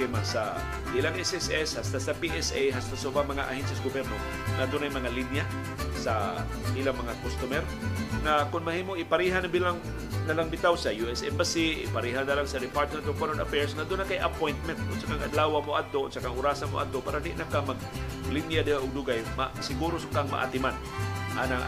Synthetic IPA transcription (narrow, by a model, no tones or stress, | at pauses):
ɪmasa̰ | bilaŋʔɛsɛsɛshast̪asapiʔɛsejɦast̪asaʊbamɐŋaʔa̰hɛnsɛsɡobɛɾno | ŋad̪ʊnajmɐŋalinja | sa | ʔilaŋmɐŋakost̪ʊmɛɾ | ŋakʊnmɐhiːmoʔɪpaɾiɦanabilaŋ | nɐlaŋbɪt̪awsɐjuɛsʔɛmbasiʔɪ̰paɾiːɦanːɐlaŋsɐd̪ɪpaɾt̪̚mɛnt̪ofonɛnɐfɛɹsŋad̪ʊnːakajʔɐpojnt̪̚mɛnt̪̚ʊdsakaŋʔɐ̰d̪laːwamoʔad̪̚t̪ːoo̰dsakaŋʊɾaːsanmo̰ʔa̰d̪̚t̪opaɾad̪ɪʔnakamɐɡ̚linjad̪aʔʊɡ̚d̪ʊɡajmasɪɡuːɾosʊkaŋma̰ʔa̰t̪ɪman | ʔa̰na